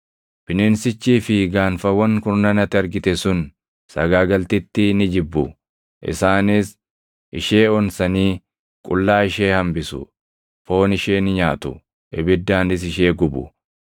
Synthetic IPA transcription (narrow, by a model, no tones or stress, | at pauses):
b̥ɪnɪnsɪt͡ʃːiːfɪɡaːnfɐwɐŋkʊɾnɐnɐt̪ːɪɐɾɡɪt̪ɛsʊn | sɐɡaːɡɐlt̪ɪt̪ːɪnɪd͡ʒɪbːʊ | ʔɪ̰saːnɪs | ʔɪʃe̞ːɔnsɐniː | kʼʊlːaːɪʃe̞ːhɐmbɪsʊ̰ | fo̞ːnɪʃeːnɪɲaːt̪ʊ̰ | ʔɪbɪd̪ːaːnɪs̬ɪʃe̞ːɡʊbʊ̰